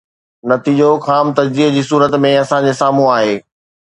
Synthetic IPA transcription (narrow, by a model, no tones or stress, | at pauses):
nɐt̪iːd͡ʑoxaːmt̪ɐd͡ʑziːd͡ʑiːsuːɾət̪mẽɐsãɲd͡ʑesaːm̤ũaːɦeː